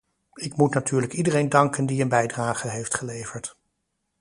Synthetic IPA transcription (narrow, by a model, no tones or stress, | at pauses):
ɪkmutnatyːɹləkidərejndɑŋkəndiənbɛjdraːχəɦejftχəlejv̥əɹt